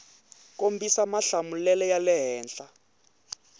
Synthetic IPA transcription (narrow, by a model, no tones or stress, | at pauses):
kombisamaɬamulɛlɛjalɛɦɛːnɬa